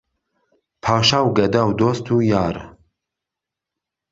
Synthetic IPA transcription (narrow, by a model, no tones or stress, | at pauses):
pʰaːʃaːwɡɐd̪aːwd̪oːst̪ʰuːjaːɾ